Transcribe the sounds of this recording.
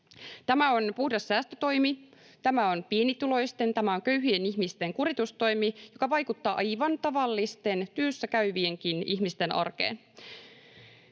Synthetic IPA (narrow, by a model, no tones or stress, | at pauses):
t̪æmæo̞npuhdɑsːæːst̪øt̪o̞jmi | t̪æmæo̞npienit̪ulo̞jst̪e̞nt̪æmæo̞ŋkø̞yhyeniçmist̪e̞ŋkuɾit̪ust̪o̞jmijo̞kɑʋɑjkut̪ːɑːʔɑjʋɑnt̪ɑʋɑlːist̪e̞nt̪yøsːækæyʋieŋkiniçmist̪e̞nʔɑ̰rkḛːn